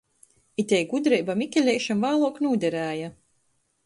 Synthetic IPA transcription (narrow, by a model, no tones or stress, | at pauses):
it̪ʲɛjɡud̪ɾɛjbamikʲɛlʲɛjʃamvaːlˠuɔknuːd̪ʲɛɾæːja